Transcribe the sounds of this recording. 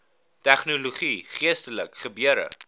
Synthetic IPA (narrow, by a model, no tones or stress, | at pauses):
tæχnoloχiχiəstələkχəbyəɾə̰